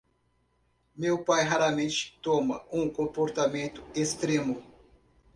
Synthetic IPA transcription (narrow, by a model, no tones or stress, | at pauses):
mewpajɦaɾɐmẽt͡ʃɪ̥t̪õmɐũkõpoɾt̪amẽnt̪ʊ̥est̪ɾẽmʊ